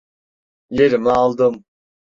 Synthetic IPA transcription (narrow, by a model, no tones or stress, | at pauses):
jeɾimialˠd̪ɯm